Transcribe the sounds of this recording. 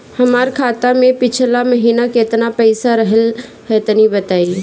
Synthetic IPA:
hɐmaːɾkʰaːt̪amẽpɪt͡ʃʰlamɐɦiːnaket̪napɐɪsaɾɐɦəl | ɦɛt̪nibɐt̪aːi

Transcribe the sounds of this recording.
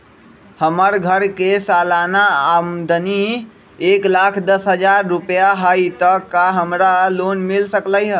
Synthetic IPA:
həməɾɡʱəɾkesalanaamd̪əni | eklakʰd̪əsɦəd͡ʒaɾːupjaɦajt̪əkːaɦəmɾalonmilsəkləjɦə

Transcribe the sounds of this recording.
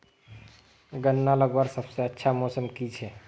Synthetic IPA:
ɡənːaləɡbaɾsəbseətːʃʰamosəmkit͡ʃʰɛ

